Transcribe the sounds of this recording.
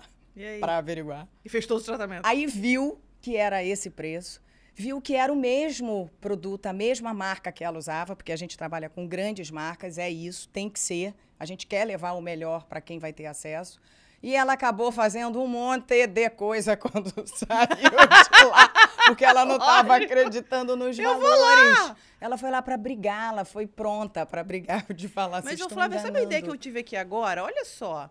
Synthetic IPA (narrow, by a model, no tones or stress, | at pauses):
iapɾɐaveɾiɡwaɾ | ɪfejʃt̪od̪zʊt̪ɾat̪amẽnaiviw | kɪɛɾɐesɪpɾesʊ̥ | viwkɪɛɾɐʊmeʒmʊpɾod̪ut̪ʊɐmeʒmɐmaɾkɐkɪɛlɐuzavɐpʊ̥ɾkeaʒẽnt͡ʃɪ̥t̪ɾabaʎɐkõɡɾɐ̃d͡ʒɪzmaɾkɐzɛisʊ̥t̪ẽj̃kɪ̥seɾ | aʒẽnt͡ʃɪ̥kɛɾlevaɾʊmeʎɔɾpɾɐkẽj̃vajt̪eɾasɛsʊ̥ | ɪɛlɐːkabofazẽnd̪ʊũmõt̪ed̪ekojzɐkwɐ̃nd̪ʊsaiwlapʊχkeɛlɐnɐ̃w̃t̪avɐakɾed͡ʒit̪ɐ̃nd̪ʊnʊzalvolaɾʃ | ɛlɐfojlapɾɐbɾiɡaɛlɐfojpɾõnt̪ɐpɾɐbɾiɡaɾd͡ʒɪfalasmɐzewfalamessaɐid̪ɛjɐkɪewt͡ʃivɪakiaɡɔɾɐoʎɐsɔ